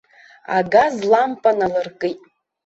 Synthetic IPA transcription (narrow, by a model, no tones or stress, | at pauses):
a̰ɡazlampʼanalɨrkʼɨtʼ